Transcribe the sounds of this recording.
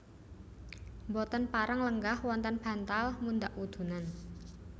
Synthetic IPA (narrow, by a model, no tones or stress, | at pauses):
mbɔt̪ənpaɾaŋləŋɡahwɔnt̪anb̥ä̤nt̪almund̪aʔud̪̥ṳnan